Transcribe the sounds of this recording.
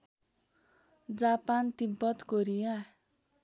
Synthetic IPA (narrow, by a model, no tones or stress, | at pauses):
d͡zapant̪impʌt̪koɾija